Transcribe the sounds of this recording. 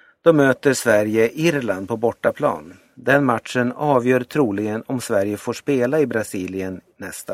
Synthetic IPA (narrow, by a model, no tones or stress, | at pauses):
d̪̥ɔmøːt̪əʂvæɾjəʔɪɾland̪̚pʰɔbɔʈːapʰlɑ̰ːn | d̪ɛnmat̪ʂənɑːvjœːɾt̪ʰɾuːlɪɡənɔmsvæɾjəfoːʂpeːlaɪbɾasiːlɪənːɛst̪a